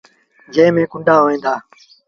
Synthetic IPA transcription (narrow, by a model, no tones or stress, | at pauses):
d͡ʒẽːmẽːkʊɳɖaːɦoːʋẽːnd̪aː